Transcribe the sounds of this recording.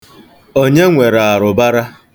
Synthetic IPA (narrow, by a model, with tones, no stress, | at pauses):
o˦ɲe˦ŋʷe˨ɾa˨a˨ɾʊ˨ba˦ɾa˦